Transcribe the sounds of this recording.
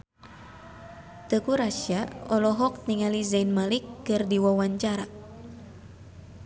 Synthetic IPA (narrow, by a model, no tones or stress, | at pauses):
t̪əkuɾaʃiaɔlɔɦɔk̚niŋalizainmalikːɨrdiwawaɲt͡ʃaɾa